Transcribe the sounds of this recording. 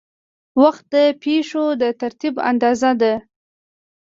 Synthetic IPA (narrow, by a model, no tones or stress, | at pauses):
waxt̪̚d̪əpeʂod̪ət̪aɾt̪iba̰nd̪ɑzad̪a